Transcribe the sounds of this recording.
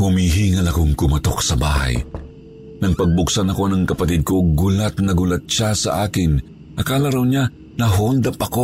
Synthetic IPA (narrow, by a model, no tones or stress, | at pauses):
humiːɦiŋɐlɐkoŋkʊmɐt̪oksɐba̰ːhɐ̰j | nɐŋpɐɡ̚bʊksanɐko̞nɐŋkɐpɐt̪ɪd̪̚koɡʊlat̪̚nɐɡʊlat̪̚ʃasɐ̰ʔaːkɪn | ʔɐkaːlaɾawɲa | nɐɦold̪ɐpɐko